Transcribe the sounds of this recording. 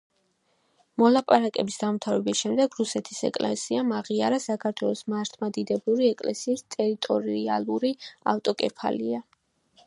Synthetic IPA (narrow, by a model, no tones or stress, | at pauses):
mɔlˠapʼaɾakʼɛ̰bisd̪amt̪ʰavɛbisʃɛmd̪ɛɡɾusɛt̪ʰi̥sɛ̰kʼlɛ̰siamaʁiaɾasakʰaɾt̪ʰwɛlˠɔsmaɾt̪ʰmad̪id̪ɛblˠuɾiɛkʼlɛsiːst̪ʼɛɾit̪ʼɔɾialˠuɾia̰ft̪ʼɔkʼɛ̰pʰa̰lḭa